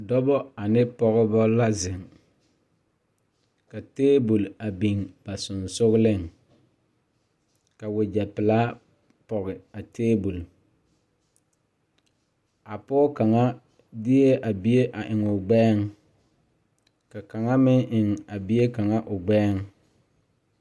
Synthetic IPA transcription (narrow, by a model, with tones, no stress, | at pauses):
dɔ˦bɔ˦a˨nɪ˦pɔ˨ɣɪ˦bɔ˦la˦zɪ˨ŋ | ka˨teː˦bu˨la˨bi˨ŋb̥a˨sʊ˨nsʊ˦ɣlɪ˦˨ŋ | ka˨wʊ˨d͡ʒɛ˨pɪ˨laː˦ | pɔ˨ɣɪ˨a˨teː˦bu˨l | a˨pɔ˦ka˨ŋa˦ | dɪ˦e˦ʔa˨bi˦e˦ʔa˨ʔɪ˨ŋʊ˨ɡ͡bɛː˦ŋ | ka˨ka˨ŋa˦mɪ˦ŋʔɪ˨ŋa˨bi˦e˦ka˨ŋa˦ʔʊ˨ɡ͡bɛː˦ŋ